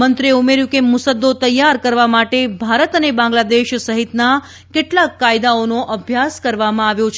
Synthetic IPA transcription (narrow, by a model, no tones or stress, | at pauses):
mənt̪ɾieumeɾjũkemʊsəd̪ːot̪əjːaɾkəɾʋamaʈebʱaɾət̪ənebãŋɡlad̪eʃsəɦit̪na | keʈlakːajd̪aonoʔəbʱjaskəɾʋamãaʋjot͡ʃʰ